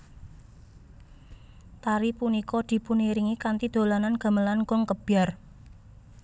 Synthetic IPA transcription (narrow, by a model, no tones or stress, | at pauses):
t̪aɾipunikɔd̪̥i̤puniɾiŋikant̪id̪̥o̤lananɡ̥a̤məlankʊŋkəb̥ar